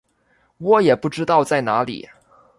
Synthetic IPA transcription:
wɔ˧˥jɛ˨˩pu˥˩ʈ͡ʂɻ̩˥t̪ɑ˥˧ʊt͡sa˥˩ɪna˧˥lḭ˨˩˦

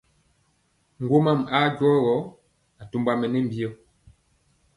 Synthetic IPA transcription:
ŋ˨ɡwo˦ma˦˨ma˦d͡ʒwɔː˦ɣɔ˨˦ | a˨tu˦mba˦mɛ˨nɛ˦m̩˨bi˦ɔ˦

